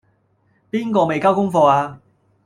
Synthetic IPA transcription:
piː˥nkɔː˧me˨jkaː˥wkʊ˥ŋfɔː˧aː˧

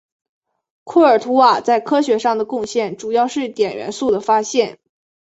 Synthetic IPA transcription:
kʰu˥˩ə˞˨˩t̪ʰu˧˥wa˨˩t͡sa˥˩ɪkʰɤ˥ɕɥɛ˧˥ʂɑ˥˩ŋd̪ə˩kʊ˥˧ŋɕjɛ˥˩nʈ͡ʂu˨˩jɑ˥˧ʊʂɻ̩˥˩t̪jɛ˨˩nɥɛ̰˧˥nsu˥˩d̪ə˩fa˥ɕjɛ˥˩n

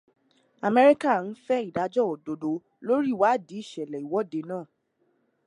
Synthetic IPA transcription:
a˨mɛ˧ɾi˦ka˦˨n̩˦fɛ˦i˦˨da˨˧˦d͡ʒɔ˦ɔ˨do˨do˨ | lo˦ɾi˦˨wa˨˦˨di˨˦i˦˨ʃɛ˨lɛ˨i˨wɔ˨˦de˧nãː˦˨

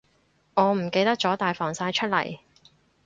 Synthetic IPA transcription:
ŋɔː˨˧m̩˨˩ke˧jt̪ɐ˥k̚t͡sɔː˨˥t̪aː˨jfɔː˨˩ŋsaː˧jt͡ʃʰɵ˥t̚lɐ̰˨˩j

